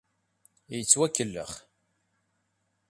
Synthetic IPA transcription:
jət͡sːwækːəlːə̰χ

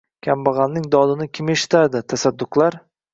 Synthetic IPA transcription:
kʲʰambɑʁɑnːɪŋd̪ɒd̪ɪnɪkʲʰɪme̞ʃɪ̥t̪ʰad̪ɪt̪ʰasad̪ːʊqlˠaɾ

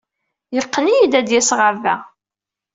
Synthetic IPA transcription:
jəqːnijid̪æd̪jæsʁəɾvæ

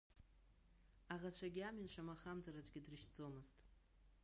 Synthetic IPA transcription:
aʁat͡ʃʷʰaɡʲiaminʂamaχamzaɾat͡ɕʷʼɡʲɪdrɨʃt͡sʼo̞mɨztʼ

